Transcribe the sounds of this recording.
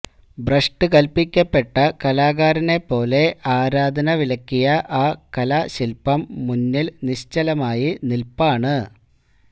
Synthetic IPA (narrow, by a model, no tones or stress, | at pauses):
brɐʂʈɨkɐlpikʲːɐpːe̞ʈːɐkɐlaːɣaːɾɐne̞pːo̞ːle̞ʔaːɾaːd̪ʱɐnɐʋilɐkʲːijɐʔaːkɐlaːɕilpɐmːunːilniɕt͡ɕɐlɐmaːjinilpaːɳɨ